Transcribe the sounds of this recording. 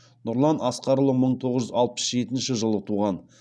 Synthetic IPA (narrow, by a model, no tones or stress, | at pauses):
nʊɾlˠɑnɑsqɑɾlˠəməɴt̪ʰo̞ʁəʒʏzɑlˠpə̥sʒe̞t̪ɪnʃɪʒəlˠət̪ʰuʁɑn